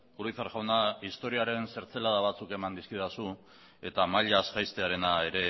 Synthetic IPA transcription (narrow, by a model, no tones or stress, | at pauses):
kuɾiθaɾʝawnaist̪o̞ɾiaɾe̞nse̞ɾt͡se̞lað̞aβ̞at͡suke̞mand̪iskiðasu | e̞t̪amaʎasɡajst̪e̞aɾe̞nae̞ɾe̞